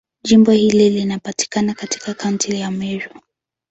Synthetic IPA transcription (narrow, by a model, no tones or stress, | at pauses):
ʄimbɔhililinapati̥kanakati̥kakauntʰijamɛɾɔ